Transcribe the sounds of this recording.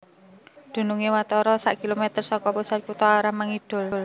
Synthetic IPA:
d̪̥ṳnuŋewat̪ɔɾɔsa̰ʔkilomet̪ərsɔkɔpusat̪̚kut̪ɔaɾamaŋid̪̥ʊ̤ll

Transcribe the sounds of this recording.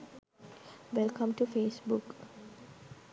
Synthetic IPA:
ʋɛlkə̃mʈufeːsbuk

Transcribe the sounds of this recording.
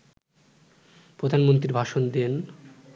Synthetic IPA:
pɾod̪ʱanmont̪ɾiɾbʱaʃond̪en

